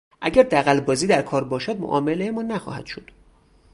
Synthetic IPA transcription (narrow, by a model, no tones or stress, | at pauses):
ʔæɟæɾd̪æɣælbɒːziːd̪æɾkʰɒːɾbɒːʃæd̪̚mo̰ʔɒ̰ːmelejemɒːnæxɒ̰ːhæd̪̥ʃod̪̥